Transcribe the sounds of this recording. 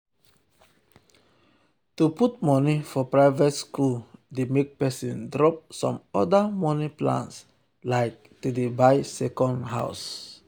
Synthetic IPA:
tuputmɔnifɔpɹaɪvɛtskuldemek̚pɛsĩndɹɔp̚sɔ̰̃mɔdamɔniplã̰ns | laɪk̚tudebaɪsɛkɔ̃ndɦa̰ʊs

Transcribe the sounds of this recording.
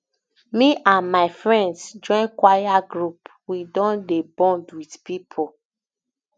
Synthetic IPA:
miʔãnmaɪfɹɛ̃ndsd͡ʒɔ̃ɪ̃nkwajaɡɹup | widɔ̃ndebɔ̃ndwidpipʰo

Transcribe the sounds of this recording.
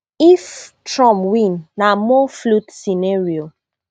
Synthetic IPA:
iftɹɔ̃mwĩnːamɔflutsinaɹio

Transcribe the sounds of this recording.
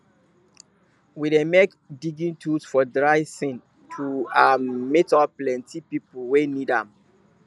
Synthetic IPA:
widemek | diɡĩntʰusfɔdɹaɪsĩn | tʰuammitɔplɛ̃ntʰipipəlwenidã̰m

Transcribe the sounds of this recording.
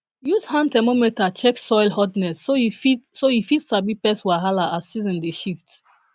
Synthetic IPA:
juthãntɛmomitat͡ʃɛksɔjlhɔdnɛsoiisoifitsabipɛswaɦalaassizɛ̃ndeʃift

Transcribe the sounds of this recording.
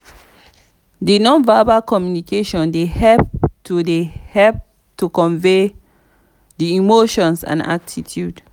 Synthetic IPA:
dinɔ̃nvabakɔmjunikeʃɔ̃ndehɛp̚tʰudehɛlp̚ | tukɔ̃ɱve | diimoʃɔ̃nsã̰na̰k̚tʰitʰjud

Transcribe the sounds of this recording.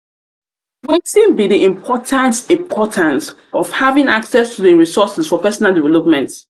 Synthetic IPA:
wɛtĩnbiðiʔĩmpʰɔtʰãntĩmpʰɔtʰãns | ɔv̥havĩŋaksɛstʰuðiɹisɔsɛsfɔpɛsɔnalˠdivɛlɔpmɛ̃nt

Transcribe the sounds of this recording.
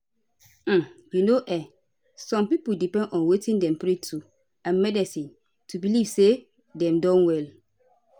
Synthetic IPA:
m̩junoʔɛ | sɔ̃mpipuldipɛ̃ndɔ̃nwetĩndɛ̃mpɹetʰu | ãnmɛdisĩn | tubiliv̥se | dɛ̃mdɔ̃nwɛl

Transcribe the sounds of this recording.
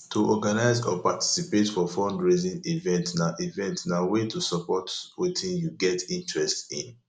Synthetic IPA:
tʰuʔɔɡanaɪzɔ̰pati̥sipetfɔfɔ̃ndɹezĩnivɛ̃ntnaʔivɛ̃ntnawetʰusɔpɔtwetʰĩnjuɡɛtĩntɹɛstĩn

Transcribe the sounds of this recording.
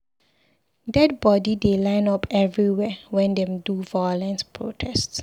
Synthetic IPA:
dɛd̚bɔdidelãɪ̃nɔpʰɛvɹiwɛwɛ̃ndɛ̃mduvaɔlɛ̃nspʰɹo̰tʰɛsts

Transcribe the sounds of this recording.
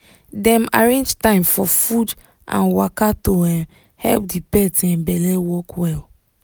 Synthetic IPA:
dɛ̃maɹẽnd͡ʒtãɪ̃mfɔfud | ã̰nwakatoɛ̃m | hɛ̰lp̚dipɛtɛ̃mbɛlewɔkwɛl

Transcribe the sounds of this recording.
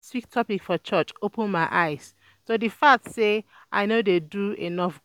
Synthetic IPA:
swiktʰːɔpikfɔt͡ʃʌt͡ʃopə̃nmaɪʔaɪz̥ | sodifatse | ʔa̰ɪnodeduḛnɔf

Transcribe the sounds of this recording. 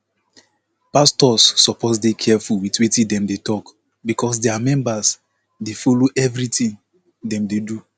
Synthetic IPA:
pastɔsːɔpɔsdekʰɛfulwitwitĩdɛ̃mdetɔk | bikɔs̬deamɛ̃mbas | defoloʔɛvɹitĩŋ | dɛ̃mdedu

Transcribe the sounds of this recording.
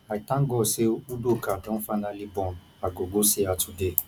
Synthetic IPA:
aitãɡɔseudokadɔ̃fanãlibɔ̃n | aɡoɡosiatude

